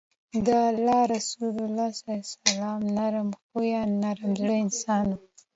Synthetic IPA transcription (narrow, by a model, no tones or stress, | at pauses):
d̪əalːɑɾasulalːɑsasalɑːmnaɾamxujɑnːaɾamzɽəɪnsɑnu